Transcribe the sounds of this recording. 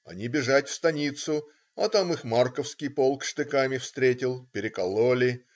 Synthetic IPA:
ɐ̰nʲibʲɪʐatʲfst̪ɐnʲit̪sʊ | ɐt̪amɨxmarkəfskʲijpolˠkʂt̪ɨkamʲɪfst̪ɾʲetʲɪlˠpʲɪɾʲɪkɐlˠolʲɪ

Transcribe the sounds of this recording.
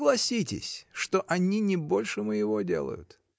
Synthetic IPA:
ɡlˠɐsʲitʲɪ̰sʲʂt̪oʔɐnʲinʲɪbo̞lʲʂɨməjɪvo̞dʲe̞̰lˠə̰jʊ̰t̪

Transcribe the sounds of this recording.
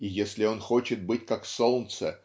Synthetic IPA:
ijesʲlʲɪo̞nxo̞t͡ɕɪt̪̚bɨtʲkaksolˠnt̪sə

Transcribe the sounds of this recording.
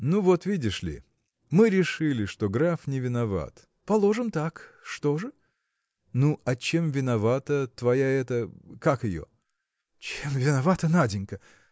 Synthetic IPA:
nuvo̞t̪vʲidʲɪʂlʲɪ̰ | mɨɾʲɪʂɨlʲɪʂt̪o̞ɡɾafnʲɪvʲɪnɐva̰t̪ | pɐlˠo̞ʐɨmt̪akʂt̪o̞ʐɨ | nuʔɐt͡ɕe̞mvʲɪnɐvat̪ət̪vɐjaɛt̪əkakɪjo̰ | t͡ɕemvʲɪnɐvat̪ənadʲɪnʲkə

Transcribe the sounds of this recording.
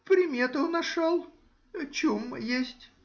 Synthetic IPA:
pɾʲɪmʲet̪ənɐʂalˠ | t͡ɕumjesʲtʲ

